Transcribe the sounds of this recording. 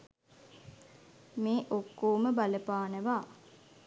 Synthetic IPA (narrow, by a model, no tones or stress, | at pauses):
meːʔokːoːməbaləpaːnəʋaː